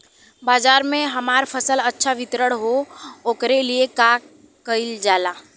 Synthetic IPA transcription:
baːd͡ʒaːɾmẽɦɐmaːɾpʰəsələtːʃʰaʋɪt̪ɾəɽɦooːkɾelieka | kəɪld͡ʒaːlaː

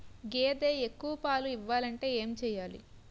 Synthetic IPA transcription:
ɡeːd̪eːekːuʋɐpaːluiʋːaːlɐɳʈe̞ːeːmt͡ʃɛːjaːlḭ

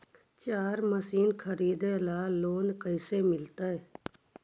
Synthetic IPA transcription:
t͡ʃaːɾməsiːnkʰəɾiːd̪elaːloːnkəɪsemɪlt̪aɛ

